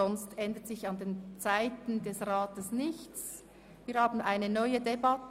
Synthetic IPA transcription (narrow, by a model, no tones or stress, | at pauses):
ɔnstɛndətsɪçɑndeːnt͡saɪtn̩dɛsʁɑːtəsnɪçt͡s | viːɐhaːbn̩ʔaɪnənɔʏədebɑt